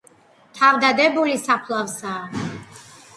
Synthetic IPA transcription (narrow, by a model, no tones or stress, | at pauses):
t̪ʰavd̪ad̪ɛbulisapʰlˠavsaː